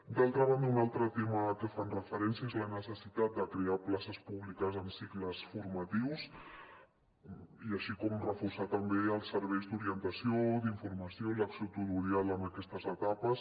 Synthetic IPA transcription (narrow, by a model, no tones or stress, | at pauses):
d̪alˠt̪ɾəβ̞and̪əunalˠt̪ɾət̪eməkəfanrəfəɾɛnsiəezlənəsəsit̪at̪̚d̪əkɾeaplasəspuβlikəzəmsikləsfuɾmat̪iws | iəʃikɔmrəfuɾsat̪əmbeəlˠsːəɾβɛjzd̪uɾiənt̪əsiod̪iɱfuɾməsioləksiot̪ut̪uɾialəməkɛst̪əzət̪apəs